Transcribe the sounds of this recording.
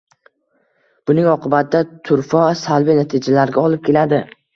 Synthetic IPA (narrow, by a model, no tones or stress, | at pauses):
b̥ʊnɪŋɒqʰɨbat̪̚d̪at̪ʰʊɾfɒsalbinat̪ʰɪd͡ʒalaɾɡʲaɒlˠɪp̚kʲʰe̞lad̪ɪ